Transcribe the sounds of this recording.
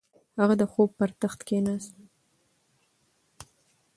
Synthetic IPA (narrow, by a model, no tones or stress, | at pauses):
haɣad̪əxob̚pəɾt̪axt̪kenas